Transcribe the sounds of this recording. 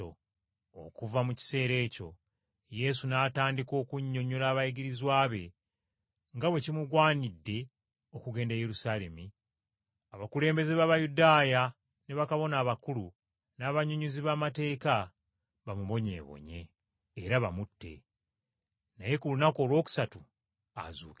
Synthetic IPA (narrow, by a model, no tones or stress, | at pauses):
o̰ː | kuvamuci̥se̞ːɾe̞ːco̞ | je̞sunaːtaːndiko̞ːkuɲːo̞ɲːulaːβajiɡiɾizwaːβe̞ | ŋɡaβwe̞cimuɡwaːnidːe̞ | o̞kuɡe̞ːndajeɾusaːle̞mi | aβakule̞ːmbe̞zeβaβajudaːja | ne̞βakaβo̞naːβakulu | naːβaɲuɲuziβamate̞ːka | βamuβo̞ɲḛːβo̰ɲe̞̰ː | ɾaβamutːe̞̰ | na̰je̞kulunako̞ːlwo̞ːku̥satu | a̰zṵːke